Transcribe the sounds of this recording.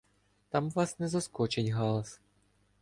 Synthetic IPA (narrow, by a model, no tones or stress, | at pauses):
t̪ɑmʋɑsnɛzɔskɔt͡ʃɪnʲɦɑlˠɐs